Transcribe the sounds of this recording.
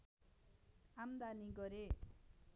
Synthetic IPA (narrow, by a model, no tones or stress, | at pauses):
amd̪aniɡʌɾe